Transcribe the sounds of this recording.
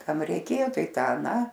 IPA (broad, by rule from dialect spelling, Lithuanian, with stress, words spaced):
ˈkɐm rʲɛɪˈkʲeːjoː ˈtɐɪ ˈtɑː ɐˈnɑː